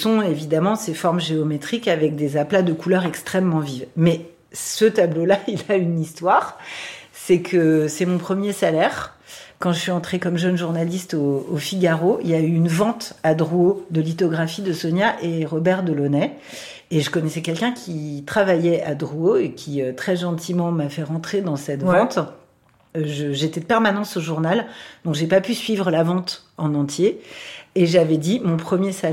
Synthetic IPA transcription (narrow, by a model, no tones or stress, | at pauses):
sɔ̃evid̪amɑ̃sefɔʁmʒeɔmet̪χikavɛk̚d̪ezaplad̪əkulœʁɛkst̪χɛmːɑ̃vivmɛ | sət̪ablolailaynist̪waʁsɛkʰəsɛmɔ̃pχəmjesalɛʁkɑ̃ʒəsɥiɑ̃t̪χekɔmʒənʒuʁnalist̪oːfiɡʲaʁoḭljayːnvɑ̃t̪ad̪ʁuod̪əlit̪ɔɡʁafid̪əsɔnjaʔeʁɔbɛʁd̪əlɔnɛ | eʒəkɔnɛsɛkʲɛlkʲɛ̃kʲit̪χavajɛad̪ʁuoekʲʰiøt̪χɛʒɑ̃t̪imɑ̃mafɛʁɑ̃t̪χed̪ɑ̃sɛt̪vɑ̃t̪ | ʒəʒet̪ɛd̪əpɛʁmanɑ̃soʒuʁnald̪̥ɔ̃kʒepapysɥivʁəlavɑ̃t̪ɑ̃nɑ̃t̪jeː | ʒavɛd̪imɔ̃pχəmjesa